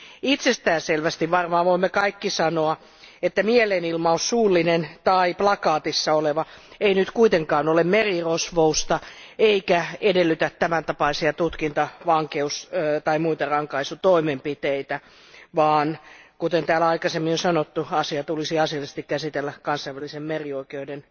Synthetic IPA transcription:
it̪sest̪æːnselʋæst̪iʋʋɑrmɑːʋoimːekɑikːisɑnoɑ | et̪ːæmiɛlenilmɑossuːlːinent̪ɑiplɑkɑːt̪isːɑoleʋɑeinyt̪kuit̪eŋkɑːnolemmerirosʋoust̪ɑeikæedelːyt̪æt̪tæmænt̪ɑpɑisiɑt̪ut̪kint̪ɑʋɑŋkeust̪ɑimuit̪ɑrɑŋkɑisut̪oimempit̪eit̪æ | ʋɑːnkut̪ent̪æːlɑikɑsemːinosɑnot̪ːuɑsiɑt̪ulisiɑsilest̪ikkæsit̪elːækɑnsˑɑiʋælːisemmerioikeuden

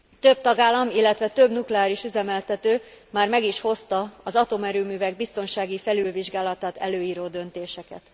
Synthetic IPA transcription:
t̪øb̚t̪ɒɡaːlːɒmilːɛt̪ʋɛt̪ø̞bnuklɛaːɾiʃyzɛmɛlt̪ɛt̪øːmaːrmɛɡiʃho̞st̪ɒɒzɒt̪o̞mɛɾyːmyːvɛɡ̚bist̪o̞nʃaːɡifɛlylviʒɡaːlɒt̪aːt̪ɛ̰løːjiːɾoːd̪ø̞nt̪eːʃɛkɛt̪

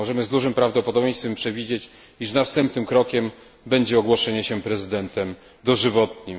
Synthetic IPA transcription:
ɔʐɛmɘzd̪uʐɘmpɾavd̪ɔpɔd̪ɔbʲɲẽjst̪fɛmpʂɛvʲid͡ʑet͡ɕ | iʂnast̪ɛmpnɘmkɾɔkʲɛm | bɛɲd͡ʑɛɔɡwɔʂɛɲɛɕɛpɾɛzɘd̪ɛnt̪ɛm | d̪ɔʐɘvɔt̪ɲi

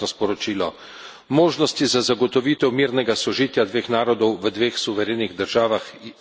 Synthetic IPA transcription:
nɔspɔɾɔt͡ʃiːlɔ | moːʒnɔst̪izazaɡɔt̪ɔʋiːt̪ɛwmiːɾnɛɡasɔʒiːt̪jad̪ʋeːxnaːɾɔd̪ɔwʋəd̪ʋeːxsuʋɛɾeːniɣd̪əɾʒaːʋax

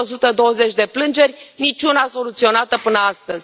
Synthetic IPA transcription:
o̞sut̪əd̪o̞wəze̞t͡ʃʲd̪e̞plɨnd͡ʒe̞rʲnit͡ʃʲunaso̞lut̪sio̞nat̪əpɨnəast̪əzʲ

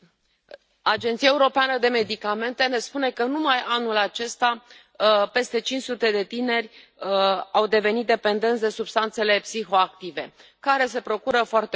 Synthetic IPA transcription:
ad͡ʒent̪siaeuɾo̞peanəd̪e̞me̞d̪ikame̞nt̪e̞ne̞spune̞kənumajanulat͡ʃe̞st̪a | pe̞st̪e̞t͡ʃinʲt͡ʃsut̪e̞d̪e̞t̪ine̞rʲ | awd̪e̞ve̞nit̪̚d̪e̞pe̞nd̪e̞nt̪ʲd̪e̞subst̪ant̪se̞le̞psixo̞ak̚t̪ive̞kaɾe̞s̬e̞pɾo̞kuɾəfoart̪e

